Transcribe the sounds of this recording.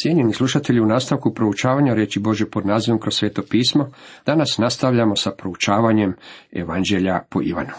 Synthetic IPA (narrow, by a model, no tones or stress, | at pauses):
sje̞ɲenislˠuʃat̪e̞ʎiunaːst̪aʋkupɾo̞ut͡ʃaːʋaɲaɾjeːt͡ʃibo̞ʒjepo̞d̪naːziʋo̞mkɾosːʋeːt̪o̞piːsmo̞d̪̥anasnast̪aʋʎamo̞sapɾo̞ut͡ʃaːʋaɲe̞mḛʋand͡ʒe̞ʎapoʔḭʋa̰nu̥